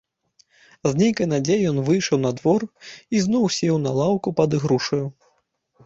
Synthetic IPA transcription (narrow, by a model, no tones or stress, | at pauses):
zʲnʲejkɐjnad͡zʲejɛjɔnvɨjʂɐwnɐd̪vɔriznɔwsʲɛwnɐlˠawkupɐd̪ɨɣɾuʂɐju